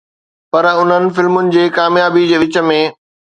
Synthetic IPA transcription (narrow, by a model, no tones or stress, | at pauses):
pɐɾʊn̤ənɪ̆fɪlmʊnɪ̆d͡ʑeːkaːmjaːbid͡ʑeːʋɪt͡ɕə̆mẽː